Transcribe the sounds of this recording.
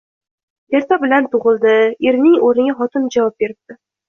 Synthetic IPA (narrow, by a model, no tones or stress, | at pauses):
e̞ɾt̪ʰabɪlant̪ʰʊʁɨlˠd̪ɪeɾnɪŋoɾɪɡʲaχɒt̪ʰɪnd͡ʒavɒp̚be̞ɾɪp̚t̪ɪ